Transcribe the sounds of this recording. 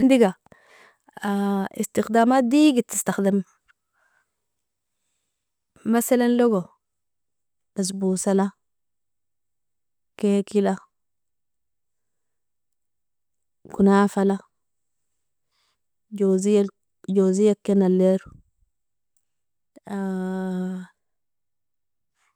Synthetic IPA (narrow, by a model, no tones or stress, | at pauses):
nd̪iɡa | aḭst̪ixd̪aːmaːt̪d̪iɡit̪ːist̪axd̪am | masalanloɡo | das̬busala | kekila | kunafala | ɟozi | d͡ʒozijakːenalːeɾ | a